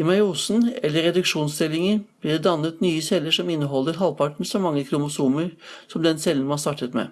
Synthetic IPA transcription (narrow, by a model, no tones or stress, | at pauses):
ɪmɑuːsn̩ɛlːəɾɛd̪ʉkʂuːnst̪ɪlɪŋənb̥liːd̪ɛd̪ɑnːət̪nyːəsɛlːəʂɔmɪnːəɦɔlːəɾɦɑlpʰɑʈɳ̩sɔmɑŋːəkʰɾʊmʊsuːməɾsɔmd̪ɛnsɛlːənmɑnst̪ɑʈət̪mɛ̰